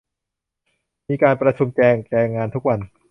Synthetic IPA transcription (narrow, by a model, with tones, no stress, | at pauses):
miː˧kaː˧npɾa˧t͡ɕʰu˧mt͡ɕɛː˧ŋt͡ɕɛː˧ŋːaː˧nt̪ʰu˦˥k̚wa˧n